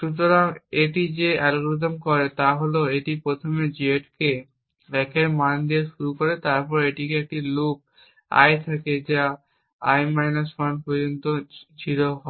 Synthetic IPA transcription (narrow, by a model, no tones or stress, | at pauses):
ʃut̪oɾameʈid͡ʑealɡɾud̪omkɔɾet̪aɦoloeʈipɾot̪ʰomed͡ʑeʈke | ɛkʰeɾmand̪ieʃuɾukoɾet̪aɾpɔɾeʈikeek̚ʈilok̚ | a̰jt̪ʰaked͡ʑa | ajmajnasmanpod͡ʑont̪ot͡ɕʰiloɦɔ